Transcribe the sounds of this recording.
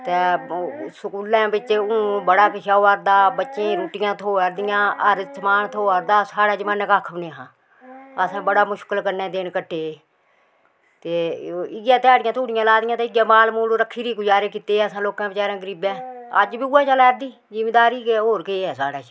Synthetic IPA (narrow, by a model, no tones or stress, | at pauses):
t̪eːsəkuːlãːbɪt͡ʃːʊ̃bəɽaːkɪʃaːoːəɾd̪aːbətːʃẽːɾuːʈɪjãːt̪ʰoːəɾd̪ɪjãːəɾt̪ʰmaːnt̪ʰoːəɾd̪aːsaːɽaːt͡ʃɪmənːkaːkʰəbneɦãː | əsãːbəɽaːmʊʃkəlkəɾnɛ̃ːd̪eːnkəʈʰːeː | t̪eːɪɡjãːt̪aːɽɪjãːt̪ʰuːɽɪjãːlaːd̪ɪjãːt̪eːɪɡjãːmaːlmuːloɾəkʰːiːɾiːɡʊd͡ʒaːɾeːkɪt̪eːəsãːloːkãːbɪt͡ʃaːɾãːɡəɾiːbɛ̃ːə̰d͡ʒbiːuːɛ̃ːt͡ʃəlɛːɾd̪iː | zɪmeːd̪aːɾiːkeɦoːɾkeːɛːsaːɽaːt͡ʃ